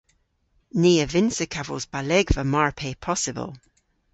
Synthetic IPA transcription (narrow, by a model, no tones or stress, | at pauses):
niːəvɪnsəkʰavə̰lˠzbalɛɡvəmaɹpʰeːpʰɔsɪbə̰lˠ